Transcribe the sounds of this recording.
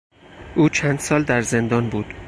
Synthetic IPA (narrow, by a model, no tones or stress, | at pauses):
ʔuːt͡ʃʰænd̪̥sɒːld̪æɾze̞nd̪ɒːnbuːd̪̥